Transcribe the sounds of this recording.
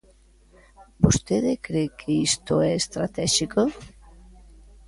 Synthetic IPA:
bost̪eðɪkɾekʰeist̪oɛest̪ɾat̪ɛʃiko

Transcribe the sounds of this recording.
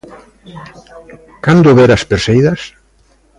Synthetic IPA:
kand̪ʊβɛɾaspeɾsejðas

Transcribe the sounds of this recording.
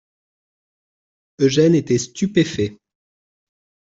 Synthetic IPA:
øʒɛnet̪ɛst̪ypefɛ

